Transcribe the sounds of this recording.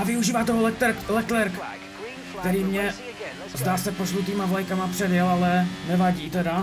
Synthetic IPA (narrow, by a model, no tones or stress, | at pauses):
avɪuʒiːvaːt̪oɦolɛɾlɛk̪lɛɾk | kt̪ɛɾiːmɲɛ | zd̪aːsɛpoʃlut̪̬iːmavlajkamapr̥ɛdjɛlalɛnɛvaɟiːt̪ɛda